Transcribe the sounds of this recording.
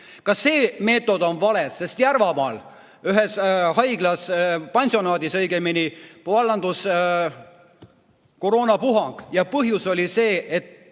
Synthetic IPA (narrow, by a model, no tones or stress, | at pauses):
kɑse̞ːme̞ːt̪ːˑo̞d̪o̞nvɑle̞sːe̞st̪jærvɑmɑːl | yɦe̞shɑjɡ̥lɑspɑnʲsio̞nɑːd̪isɤjɡeminipɑlːɑnd̪̥us | ko̞ɾoːnɑpuɦɑŋɡ̥jɑpɤɦjuso̞lʲise̞ːet̪ː